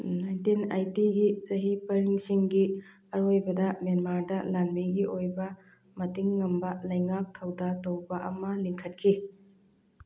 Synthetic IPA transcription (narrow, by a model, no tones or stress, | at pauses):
najntinajtiɡisɐɦipɐɾiŋsiŋɡi | ɐɾojbɐdɐmenmaɾdɐlanbiɡiʔojbɐ | mɐtiŋːɐmbɐlɐjŋak̚tʰɐwdatɐwbɐʔɐmɐliŋkʰɐt̚kʰi